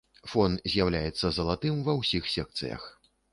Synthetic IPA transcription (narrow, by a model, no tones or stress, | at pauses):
fɔnzʲjawlʲajɛt̪sːɐzɐlˠat̪ɨmvɐwsʲixsʲɛk̚t̪sɨ̰jɐ̰x